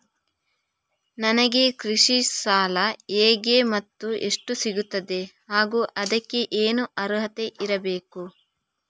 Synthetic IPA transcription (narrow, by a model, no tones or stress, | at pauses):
nɐnɐɡe̞kɾiʂisaːlɐeːɡemɐt̪ːue̞ʂʈusiɡut̪ːɐd̪e̞haːɡuːʔɐd̪ɐkːe̞ʔeːnuʔɐɾɦɐt̪eʔiɾɐbe̞ːku